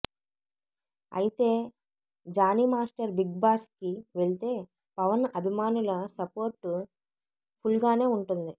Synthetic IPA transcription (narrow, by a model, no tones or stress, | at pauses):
ɐ̰jit̪e̞ː | d͡ʒaːnimaːsʈɐɾbiɡbaːskiʋeɭit̪e̞ː | pɐʋɐnɐbʱimaːnulɐsɐpo̞ːɾʈːu | pʰulɡaːne̞ːuɳʈund̪i